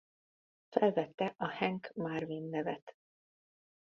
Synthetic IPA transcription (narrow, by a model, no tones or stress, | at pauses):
fɛlvɛt̪ːɛʔɒhɛŋkmarvinːɛvɛt̪